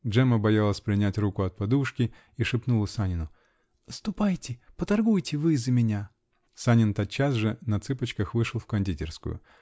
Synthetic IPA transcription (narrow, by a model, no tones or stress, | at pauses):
dʐɛməbɐjalˠəsʲpɾʲɪnʲætʲrukʊɐt̪̚pɐd̪uʂkʲɪ | iʂɨpnulˠəsanʲɪnʊ | st̪ʊpajtʲɪpət̪ɐrɡujtʲɪvɨzəmʲɪnʲa | sanʲɪnt̪at̪t͡ɕːasʐɨnɐt̪sɨpət͡ɕkəxvɨʂɨlˠfkɐnʲdʲitʲɪ̰rskʊ̰jʊ̰